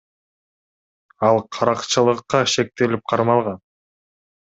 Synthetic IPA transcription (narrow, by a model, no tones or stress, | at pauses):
ɑlˠqʰɑɾɑqt͡ʃɯlˠəqːɑʃe̞k̚t̪e̞lip̚qʰɑɾmɑlˠʁɑn